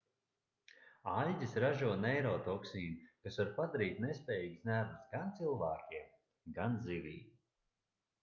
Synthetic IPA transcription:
alzʲisɾaʒuɔnɛjɾɔːt̪ɔksiːnikasvaɾpad̪aɾiːt̪nespʲɛːjiːɡsnʲæbsɡant̪silˠvæːkʲiɛm | ɡanzivʲiːb

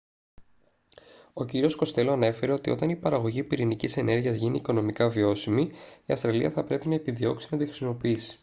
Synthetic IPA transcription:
o̞ciɾio̞sko̞st̪e̞loɐne̞fe̞ɾe̞o̞t̪io̞t̪ɐnipɐɾɐɣo̞ʝipiɾinicise̞nʔe̞ɾʝiɐzʝiniːko̞no̞mikɐvio̞simiiɐfst̪ɾɐliɐθɐpɾe̞pinɐe̞piðio̞ksinɐt̪ixɾi̥simo̞piisi̥

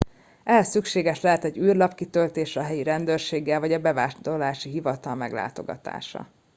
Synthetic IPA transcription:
ʔɛɦɛsːykʃeːɡɛʃlɛɦɛt̪ɛɟyːrlɒpkit̪ølt̪eːʃɒɦɛjiɾɛnd̪øːrʃeːɡːɛlvɒɟɒbɛvaːʃd̪olaːʃiɦivɒt̪ɒlmɛɡla̰ːt̪o̞̰ɡɒ̰t̪a̰ːʃɒ̰

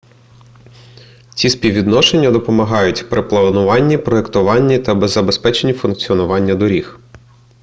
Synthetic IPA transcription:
t͡sʲispʲiwʋʲid̪nɔʃe̞nʲːɐd̪ɔpɔmɐɦɑjʊtʲpɾeplˠɐnʊʋɑnʲːipɾɔekt̪ʊʋɑnʲːit̪ɐbezɐbe̞spɛt͡ʃenʲifʊnk̚t͡sʲiɔnʊʋɑnʲːɐd̪ɔɾʲix

